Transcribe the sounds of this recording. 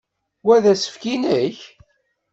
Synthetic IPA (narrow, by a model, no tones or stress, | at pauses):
wæðæsə̥fkinəç